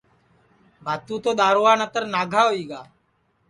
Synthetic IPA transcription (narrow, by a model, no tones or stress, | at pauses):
bʱaːt̪uːt̪oːɗ̪aːɾoːʋaːnət̪əɾnaːɡʱaːɦoiːɡaː